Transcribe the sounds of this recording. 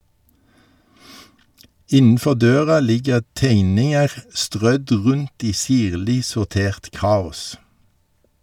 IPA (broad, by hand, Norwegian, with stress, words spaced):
ˈɪnn̩ˌfɔʁ ˈdøːʁɑ ˈlɪɡəʁ ˈteɪnɪŋəʁ ˈstʁœd ˈʁʉnt ˈiː ˈsiːʁlɪ sʊʁˈteːʁt ˈkɑːʊs